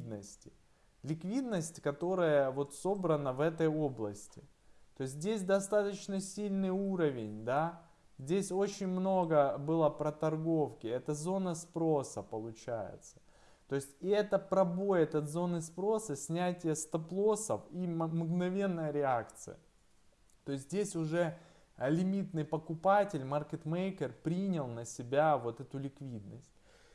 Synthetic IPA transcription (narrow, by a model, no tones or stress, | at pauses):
d̪nəsʲtʲɪ̥ | lʲɪkvʲid̪nəsʲtʲkɐt̪o̞ɾəjəvo̞t̪so̞bɾənəvɛt̪əjo̞blˠəsʲtʲɪ | t̪o̞ɪs̬ʲt̬ʲdʲesʲd̪ɐst̪at̪ət͡ɕnəsʲilʲnɨjuɾəvʲɪnʲd̪a | zʲdʲesʲo̞t͡ɕɪnʲmno̞ɡəbɨlˠəpɾət̪ɐrɡo̞fkʲɪɛt̪əzo̞nəspɾo̞səpəlˠʊt͡ɕæjɪ̰t̪sə̥ | t̪oɪsʲtʲɛt̪əpɾɐbo̞jɛt̪ət̪zo̞nɨspɾo̞səsʲnʲætʲɪjəst̪ɐplˠo̞səfimmɡnɐvʲe̞nːəjəɾʲɪakt̪sɨ̰jə̰ | t̪o̞ɪs̬ʲt̪ʲdʲesʲʊʐɛ | ɐlʲɪmʲit̪nɨjpəkʊpatʲɪlʲmarkʲɪt̪mejkʲɪrpɾʲinʲɪlˠnəsʲɪbʲavo̞t̪ɛt̪ʊlʲɪkvʲid̪nəsʲt̚ʲ